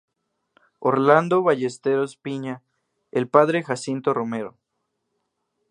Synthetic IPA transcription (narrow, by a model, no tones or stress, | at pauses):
oɾland̪oβaʝest̪eɾospiɲa | elpaðɾe̞xasint̪o̞rʔome̞ɾo̰